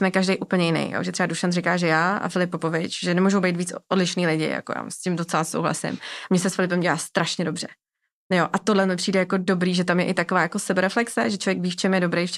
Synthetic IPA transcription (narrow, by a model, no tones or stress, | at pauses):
smɛkaʒdɛjʔuːpl̩ɲɛjɪnɛ̰jjo̰ʒɛt̪rɛbaduʃant̪rɪkaːʒɛjaːa̰fɪlɪp̚ːopovɪt͡ʃʒɛnɛmuːʒowbejt̪viːt͡sodlɪʃniːlɪɟɪ̰ja̰koja̰ːscɪmdot͡sɛlasowɦla̰sɪ̰mmɲɛsɛsfɪlɪpɛmɟɛlaːst̪ɾaʃɲɛdobr̝̥ɛ | joʔat̪odlɛmɲɛpr̝̥iːdɛjako̞do̞bɾiːʒɛt̪amjɛʔɪt̪akovaːjako̞sɛbɛɾɛflɛksɛʒɛt͡ʃʰlovjɛkviːft͡ʃɛmjɛdobɾejft͡ʃ